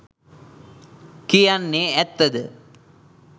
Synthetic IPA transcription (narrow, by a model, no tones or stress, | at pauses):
kijanːeɛt̪ːɐd̪ə